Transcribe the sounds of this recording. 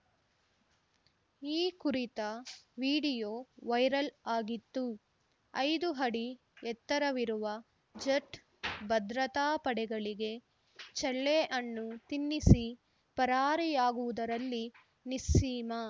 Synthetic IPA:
iːkuɾit̪ɐʋiːɽijoːʋɐjɾɐlaːɡit̪ːu | ɐjd̪uɦɐɽi | ɛt̪ːɐɾɐʋiɾuʋɐ | d͡ʒɐʈ | bɐd̪ɾɐt̪aːpɐɽɛɡɐɭiɡe̞ | t͡ʃɐɭːeʔɐnːut̪inːisi | pɐɾaːɾijaːɡuʋud̪ɐɾɐlːi | nisiːmɐ

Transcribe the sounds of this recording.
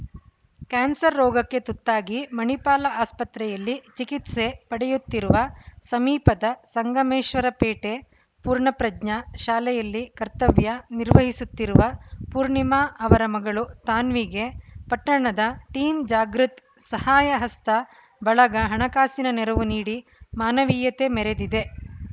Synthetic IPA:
kaːnsɐɾːɔːɡɐkːe̞t̪ut̪ːaːɡimɐɳipaːlɐaːspɐt̪ɾɛjɐlːit͡ʃikit̪se̞pɐɽɛjut̪ːiɾuʋɐsɐmiːpɐd̪ɐsɐŋɡɐmeːʃʋɐɾɐpeːʈe | puːɾɳɐpɾɐd͡ʒɲɐʃaːlɛjɐlːikɐɾt̪ɐʋjɐniɾʋɐɦisut̪ːiɾuʋɐpuːɾɳimaːʔɐʋɐɾɐmɐɡɐɭut̪aːnʋiɡe̞pɐʈːɐɳɐd̪ɐʈiːmd͡ʒaːɡɾut̪ | sɐhaːjɐɦɐst̪ɐ | bɐɭɐɡɐɦɐɳɐkaːsinɐnɛɾɐʋuniːɽimaːnɐʋiːjɐt̪e̞mɛɾed̪id̪e̞

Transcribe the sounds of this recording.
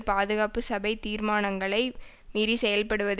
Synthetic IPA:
paːðɯɣaːpɯsɐbɐɪt̪iːɾmaːnɐŋɡɐɭɐɪ | miːɾisɛjɐlpɐɽɯʋɐð

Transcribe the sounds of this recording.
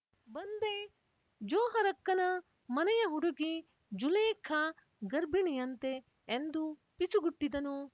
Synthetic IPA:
bɐnd̪e | d͡ʒoːɦɐɾɐkːɐnɐ | mɐnɐjɐɦuɽuɡi | d͡ʒuleːkʰɐ | ɡɐɾbʱiɳijɐnt̪eː | nd̪u | pisuɡuʈːid̪ɐnu

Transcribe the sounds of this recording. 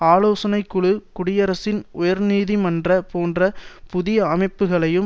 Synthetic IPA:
aːloːsɐnɐɪkːɯɭɯkʊɽɪjɐɾɐsɪnʊjɐɾniːðimɐndrɐpoːndrɐpʊðɪjɐːmɐɪpːɯɣɐɭɐjɯm

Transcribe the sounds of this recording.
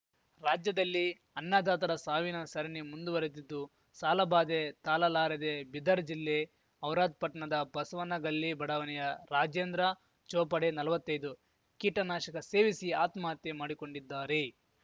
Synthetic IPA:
ɾaːd͡ʒjɐd̪ɐlːi | ɐnːaːd̪aːt̪ɐɾɐsaːʋinɐsɐɾenemund̪uʋɐɾet̪̬id̪ːu | saːlɐbaːd̪et̪aːlɐlaːɾɐd̪ebid̪ɐɾd͡ʒilːe | ɐwɾaːd̪̚pɐʈɳɐd̪ɐbɐsʋɐnɐɡɐlːibɐɽɐʋɐnɛjɐɾaːd͡ʒeːnd̪ɾɐ | t͡ʃɔːpɐɽenɐlɐʋɐt̪ːɐjd̪u | kiːʈɐnaːʃɐkɐse̞ːʋisiaːt̪maːt̪jemaːɽiko̞ɳɖid̪ːaːɾe

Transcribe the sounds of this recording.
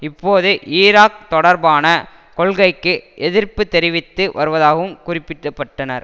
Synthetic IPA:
ɪpːoːðɯʔiːɾaːk̚t̪ɔɽɐɾbaːnɐ | kɔɭɣɐɪkːɯʔɛðɪɾpɯt̪ːɛɾɪʋɪt̪ːɯʋɐɾɯʋɐðaːɣɐʋɯmkʊrɪpːɪʈːɐpːɐʈːɐnɐ̰ɾ

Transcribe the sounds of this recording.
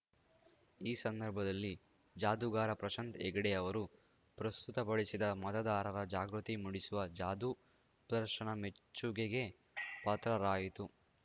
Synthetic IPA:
iːsɐnd̪ɐɾbʱɐd̪ɐlːi | d͡ʒaːd̪uɡaːɾɐpɾɐʃɐnt̪ḛɡɐɽeɐʋɐɾu | pɾɐst̪ut̪ɐbɐɭisid̪ɐmɐt̪ɐd̪aːɾɐɾɐd͡ʒaːɡɾut̪imuɽisuʋɐd͡ʒaːd̪u | pɐd̪ɐɾʂɐɳɐmet͡ʃːuɡeɡe̞ | pɐt̪ɾɐɾaːjit̪u

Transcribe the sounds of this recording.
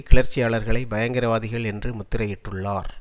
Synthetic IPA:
kɪɭɐɾt͡ʃːɪjaːɭɐɾɣɐɭɐɪbɐjɐŋɡɪɾɐʋaːðɪɣɐɭɛndrɯmʊt̪ːɪɾɐjɪʈːɯɭːaːɾ

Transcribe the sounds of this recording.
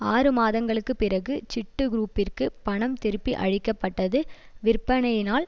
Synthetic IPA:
aːrɯmaːðɐŋɡɐɭɯkːɯpːɪrɐɣɯt͡ʃɪʈːɯɡɾuːpːɪrkɯpɐɳɐmt̪ɪɾɯpːiʔɐ̰ɻɪkːɐpːɐʈːɐðɯʋɪrpːɐɳɐjɪnaːl

